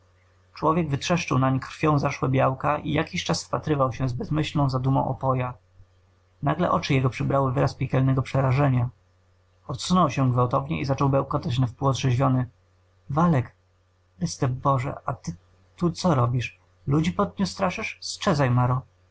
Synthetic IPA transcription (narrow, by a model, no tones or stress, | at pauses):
t͡ʂwɔvʲjɛɡvɘt̪ʂɛʂt͡ʂɘwnaɲikɾ̥fʲjɔ̃w̃zaʂwɛbʲjawkaʔḭjakʲiɕt͡ʂasfpat̪ɾɘvawɕɛ̃zbɛzmɘɕlnɔ̃w̃zad̪umɔ̃w̃ʔɔ̰pɔja | naɡlɛ̰ʔɔt͡ʂɘjɛɡɔpʂɘbɾawɘvɘɾaspʲjɛkʲɛlnɛɡɔpʂɛɾaʐɛɲa | ɔt̪sunɔwɕɛɡvawt̪ɔvɲɛ̰ʔizat͡ʂɔwbɛwkɔt̪at͡ɕnafpuwɔd̪ʐɛʑvʲjɔnɘ | valɛk | ɛst̪ɛbɔʐɛ̰ʔat̪ɘ | t̪ut̪sɔɾɔbʲiʂ | lud͡ʑipɔd̪̚ɲust̪ɾaʂɘʂstt͡ʂɛzajmaɾɔ